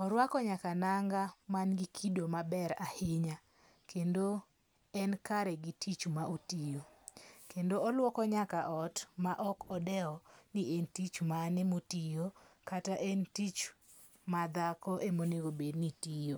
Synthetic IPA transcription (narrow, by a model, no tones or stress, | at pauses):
ɔɾwakɔɲakanaŋɡamanɡikʰidomabɛɾahɪɲa | kendo | ɛnkaɾɛɡitʰit͡ʃmaʔotijokendoɔlwɔkɔɲakaʔɔtmaʔɔkɔdɛɔniʔentit͡ʃmanɛmotijokataʔɛntit͡ʃ | mad̪akɔʔemoneɡobednitijo